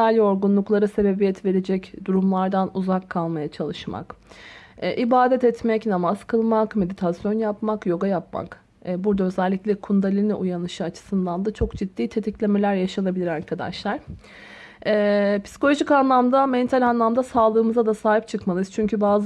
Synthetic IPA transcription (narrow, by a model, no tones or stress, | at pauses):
alʲo̞ɾɡunlˠuklˠaɾɯse̞be̞bijɛt̪ve̞ɾe̞d͡ʒɛcd̪uɾumlˠaɾd̪anuzakʰːalˠmajat͡ʃʰalˠɯʃma̰k | ɛʔibaːd̪ɛt̪ɛt̪mɛcnamaz̥kʰɯlˠmakme̞d̪it̪ʰasjo̞njapmakjo̞ɡajapma̰kː | buɾd̪aøzɛlʲːicʲlʲɛkʰund̪alʲinɛʔujanɯʃɯat͡ʃʰɯ̥sɯnd̪and̪at͡ʃʰo̞kd͡ʒid̪̥ːiːt̪ʰe̞t̪ʰiclʲe̞me̞lʲæɾjaʃalˠabilʲiɾaɾkʰad̪a̰ʃlˠaɾ̥ | ɛːpʰi̥si̥kolʲo̞ʒikanlˠamd̪amɛnt̪ʰalʲanlˠamd̪asaːlˠɯːmɯzad̪asaːɦip̚t͡ʃʰɯkmalˠɯz̥t͡ʃʰyɲcʰybaːz